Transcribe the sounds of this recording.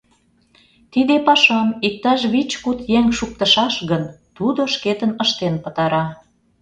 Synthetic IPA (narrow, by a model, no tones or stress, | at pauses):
t̪id̪epɑʃɑmik̚t̪ɑʃβit͡ɕkut̪jeŋʃuk̚t̪ə̆ʃɑʃɣənt̪ud̪oʃket̪ənəʃt̪enpə̆t̪ɑɾɑ